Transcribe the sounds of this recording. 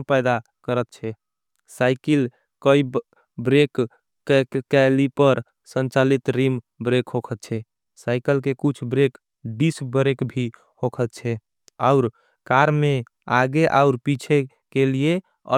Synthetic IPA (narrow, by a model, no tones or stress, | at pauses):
pəɪd̪a | kəɾət̪̚t͡ʃʰɛ | saɪkil | kəi | bɾek | kɛlipəɾ | sənt͡ʃalit̪ɾim | bɾekɦokʰət̪̚t͡ʃʰɛ | saɪkəlkekut͡ʃʰbɾek | ɖisbəɾekbʱi | hokʰət̪̚t͡ʃʰɛ | aʊɾ | kaɾme | aɡeʔaʊɾpit͡ʃʰe | kelie | ə̰